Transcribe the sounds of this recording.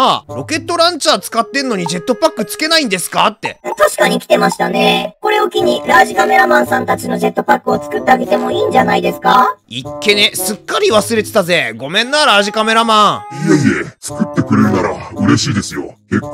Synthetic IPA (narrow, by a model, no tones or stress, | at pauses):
aɾo̞ke̞t̪ːo̞ɾãɲt͡ɕaːt͡sɨ̥kat̪ːe̞ɾɯ̟no̞ɲ̟id͡ʑe̞t̪ːo̞pakːɯ̟t͡sɨ̥ke̞naĩnd̪e̞sɨ̥kat̪ːẽ̞t̪aɕi̥kaɲ̟ikʲi̥t̪e̞maɕi̥t̪aneko̞ɾe̞o̞kʲiɲ̟iɾaːʑikame̞ɾamãɰ̃sãnt̪at͡ɕino̞d͡ʑe̞t̪ːo̞pakːɯ̟o̞t͡sɨ̥kɯ̟t̪ːaaɡet̪e̞mo̞iːɲd͡ʑanaid̪e̞sɨ̥kaikːe̞nesɨkːaɾʲiβ̞asɨɾe̞t̪e̥t̪aze̞ɡo̞mẽ̞nːaɾaʑikame̞ɾamãŋjeiet͡sɨ̥kɯ̟t̪ːe̞kɯ̟ɾeɾɯ̟naɾaɯ̟ɾe̞ɕiːd̪e̞sɨjokekːo